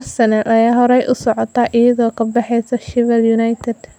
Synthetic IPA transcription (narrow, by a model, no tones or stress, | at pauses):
sɐnɐlɐjaːɦɔɾɛjʔʊsɔʕɔt̪ʰɐʔɪjɐðɔːkʰɐbɑħɛjsɐʃɪvɛljʊnajt̪ʰɛd̪̥